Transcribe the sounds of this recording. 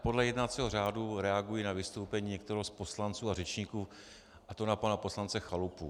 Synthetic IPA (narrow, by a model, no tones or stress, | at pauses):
po̞dlɛjɛdnat͡siɦor̝aːduɾɛaɡujinavɪst̪owpɛɲiːɲɛkt̪ɛɾɛɦospo̞slant͡suːarɛt͡ʃɲiːkuː | ʔat̪onapanapo̞slant͡sɛxalupṵ